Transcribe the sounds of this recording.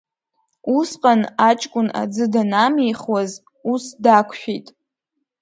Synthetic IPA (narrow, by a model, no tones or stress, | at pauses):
usqʼanat͡ʃʼkʷʼʊna̰d͡zɨdanamejχwaz | usdakʷʰʃᶣijtʼ